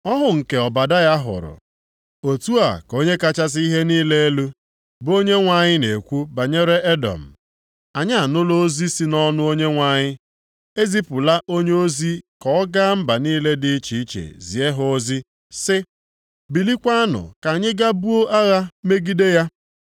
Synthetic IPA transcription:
ɔ˦ɦʊ˨ŋ̩˨ke˨ɔ˨ba˨da˦ja˦ɦʊ̰˨ɾʊ̰˨ | o˨tu˦a˨ko˦ɲe˦ka˦t͡ʃa˦s̬ɪ˦i˦ɦe˦niː˦le˦e˦lu˦ | bo˦ɲe˦ŋʷa˨ɲɪ˦ne˨kʷu˦ba˨ɲe˦ɾe˦e˦dɔ̰˨m̩˨ | a˨ɲa˦a˨nʊ˦lo˦o˦zi˦si˦nɔ˦nʊ˦o˦ɲe˦ŋʷa˨ɲɪ˦ | e˦zi˦pʊ˨la˦ʔo˦ɲe˦o˦zi˦kɔ˨˦ɔ˦ɡa˦m̩˦ba˨niː˦le˦dɪ˦t͡ʃi˨i˦t͡ʃḛ˨zi˨e˦ɦʊo˦zi˦ | sɪ˦ | bi˨li˦kʷa˦a˦nʊ̰˨ka˨ɲɪ˦ɡa˦bu˦o˦ʔa˦ɣa˦me˦ɡi˦de˦ja˦

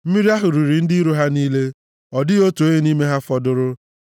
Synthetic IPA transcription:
m̩˦mi˦ɾi˦a˦ɦʊ˨ɾu˨ɾi˨n̩˦dɪ˦ɾu˦ɦa˦niː˦le˦ | ɔ˨dɪ˦o˦to˦je˦ni˦me˦ɦa˦fɔ˦dʊ˦ɾʊ˦

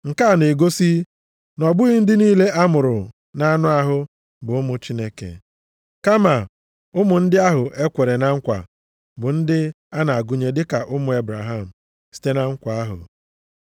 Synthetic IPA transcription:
ŋ̩˨ka˦a˨ne˨ɡo˦si˦ | nɔ˨bʊ˦ɣi˦n̩˦dɪ˦niː˦le˦ʔa˦mʊ˨ɾʊ˨ | na˦nʊ˦a˦ɦʊ˦ | bʊ˨ʊ˦mʊ˦t͡ʃi˦ne˦kḛ˨ | ka˦ma˨ | ʊ˦mʊ˨n̩˦dɪ˦a˦ɦʊ˨ʔe˦kʷe˨ɾe˨na˦ŋ̩˦kʷa̰˨ | bʊ˨n̩˦dɪ˦ | a˦na˨a˨ɡu˨ɲe˨dɪ˦ka˨ʔʊ˦mʊ˨e˦bɾa˨ɦa˦˨m̩˨ | si̥˦te˦na˦ŋ̩˦kʷa˨a˦ɦʊ̰˨

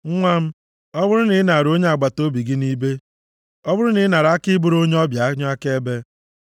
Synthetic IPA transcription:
ŋ̩˦ŋʷa˦m̩˦ | ɔ˦bʊ˦ɾʊ˦nɪ˨˦na˨ɾo˦ɲe˦a˨ɡ͡ba˨to˦bi˨ɡi˦ni˦be˦ | ɔ˦bʊ˦ɾʊ˦nɪ˨˦na˨ɾa˨˦kɪ˦bʊ˦ɾo˦ɲe˦ɔ˦bja˨a˦ɲ˦a˦ke˦e˦be˦

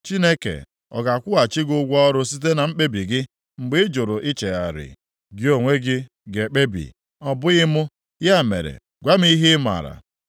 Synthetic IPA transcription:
t͡ʃi˦ne˦kḛ˨d | ɔ̰˨ɡa˨kʷʊ˦a˨t͡ʃɪ˦ɡʊ˦ɡʷɔ˦ɾʊ˦si˦t̬e˦na˨m̩˦k͡pe˦bi˨ɡɪ˦ | ŋ͡m̩˨ɡ͡bɪ˦d͡ʒʊ˨ɾʊ˨ʔi˦t͡ʃe˨ɣa̰˨ɾɪ̰˨ | ɡɪ˦o˨ŋʷe˦ɡɪ˦ | ɡe˨k͡pe˦bḭ˨ | ɔ˨bʊ˦ɣɪ˦mʊ˦ | ja˦˨mḛ˨ɾḛ˨ | ɡʷa˦m˦i˦ɦi˦ma̰˨ɾa̰˨

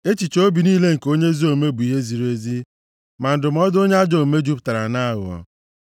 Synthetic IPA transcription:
e˦t͡ʃi˨t͡ʃo˦bi˨niː˦le˦ŋ̩˨ko˦ɲe˦zi˦o˨me˦bu˨i˨ɦe˦zi˨ɾe˦zi˦ | ma˨n̩˨dʊ˨m̩˨˦ɔ˦do˦ɲe˦a˦d͡ʒo˨me˦d͡ʒu˦pta˨ɾa̰˨na˦a˦ɣʊ̰˨ɔ̰˨

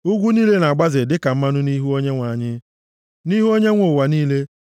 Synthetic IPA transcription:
ʊ˦ɡʷu˦niː˦le˦na˨ɡ͡ba˦zɪ˨dɪ˦ka˨m̩˦ma˦nʊ˦ni˦ɦu˦o˦ɲe˦ŋʷa˨ɲɪ˦ | ni˦ɦu˦o˦ɲe˦ŋʷo˨wa˨niː˦le˦

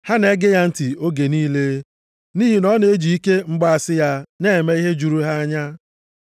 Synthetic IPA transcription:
ha˦ne˦ɡɪ˦ja˦n̩˦ti˨o˦ɡe˨niː˦le˦ | niː˦ɦi˨nɔ˦ne˦e˦d͡ʒi˨i˦ke˦ŋ͡m̩˦ɡ͡ba˦a˨sɪ˦ja˦ne˦˨me˦i˦ɦe˦d͡ʒu˨ɾu˦ɦa˦a˦ɲa˦

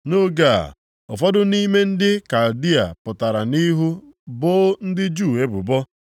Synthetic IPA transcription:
no˦ɡa̰˦˨ | ɔ̰˨fɔ˦dʊ˦ni˦me˦n̩˦dɪ˦ka˨ldi˦a̰˨pʊ˨ta˨ɾa˨ni˦ɦu˦ | bʊ˦n̩˦dɪ˦d͡ʒu˦˨e˦bʊ̰˨bɔ˦

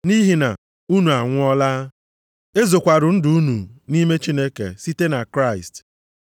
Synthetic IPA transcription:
ni˦ɦi˨na̰˨ | u˦nu˨a˨ŋʷʊ˦ɔ˦laː˦ | e˦zo˨kʷa˨ɾʊ˨n̩˦dʊ˦u˦nu˨ni˦me˦t͡ʃi˦ne˦kḛ˨si˦te˦na˨kɾa˦˨ɪ̰˨st

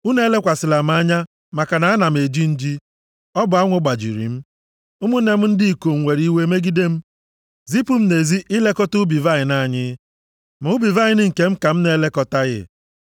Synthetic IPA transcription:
u˦ne˦le˦kʷa˨sɪ˨la˨m̩˦a˦ɲa˦ | ma˨ka˨na˨a˦na˨m̩˨e˨d͡ʒi˦n̩˦d͡ʒi˦ | ɔ˦bʊ˨˦a˦ŋʷʊ˦ɡ͡ba˨d͡ʒḭ˨ɾḭ˨m̩˦ | ʊ˦mʊ˦ne˨m̩˦n̩˦dɪ˦i˨ko˨ŋ̩˨ŋʷe˨ɾi˦we˦me˦ɡi˦de˦m̩˦ | zi˦pu˦m̩˦ne˨zi˦ʔɪ˦le˦kɔ˦tʊ˦bi˨va˦ɪ˨na˦˨ɲɪ˦ | m̩˨ʊ˦bi˨va˦ɲɪ˨˦nɪ˦ŋ̩˨ke˦m̩˦ka˨m̩˦ne˦le˦kɔ˨ta˦ɣɪ̰˦

